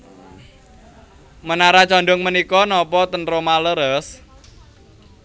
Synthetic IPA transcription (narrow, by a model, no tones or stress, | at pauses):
mənaɾat͡ʃɔnɖɔŋmənikɔnɔpɔt̪ənɾomaləɾəs